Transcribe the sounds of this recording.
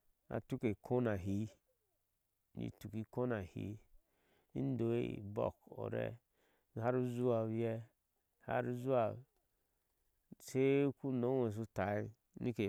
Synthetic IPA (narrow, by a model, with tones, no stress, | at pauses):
a̰˨tu˦ke˨kʰo˦na˨ɦi˨˦ | nḭ˨tu˨ki˨ko˦na˨hḭ˨˦ | i˦n˦do˨ḛ˦˨bo̰˦˨ko̰˨ɾɛ̰˦˨ | a˦ɾu˦zu˦a˨wɛ˦ | ha̰˦ɾu˦zu˦a˨ | se˦ku˦no˨˦we˨s̬u˦ta˨i˦ | ni˦ke˨